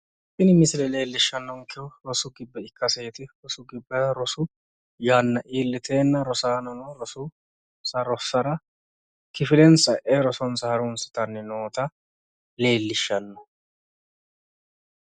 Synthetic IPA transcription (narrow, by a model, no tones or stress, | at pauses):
pːɪnɪmɪsɪlɛle̞ːlːɪʃːɐnːɔŋkɪʊɾɔsʊɡɪbːɛɪkːɐseːt̪ɪɾɔsʊɡɪbːɛɾɔsʊ | jaːnːɐʔiːlːɪt̪ʰe̞ːnːɐɾɔsaːnɔmɐɾɔsʊ | sɐɾɔsɐɾɐ | kɪfɪlɛnsɐʔeɾɔsɔnsɐhɐɾʊnsɪ̥t̪ɐnːɪnoːt̪ɐ | le̞ːlːɪʃːɐnːɔ